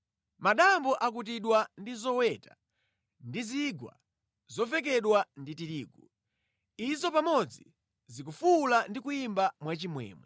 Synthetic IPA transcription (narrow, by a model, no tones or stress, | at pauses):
maɗambɔʔak̬ut̬iɗwandizɔwɛta̰ | ndiziɡwa̰ | zɔvɛk̬ɛɗwanditiɾiːɡu | izɔpamɔd͡zi | zik̬ufulandikuimbamwat͡ʃimwɛ̰ːmwɛ